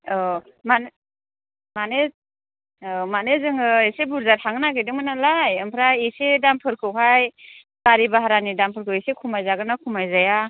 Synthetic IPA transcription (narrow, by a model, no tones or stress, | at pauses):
ɔ | man | mane | ɔmanezɯŋɯesebuɾzaɾhʰaŋnaɡɯjdɯŋmanalajɯmpʰɾaesedampʰɯɾkʰɯwɦaj | kaɾibaɦaɾanidampʰɯɾkʰɯwesekʰumajzaɡɯnakʰumajzaja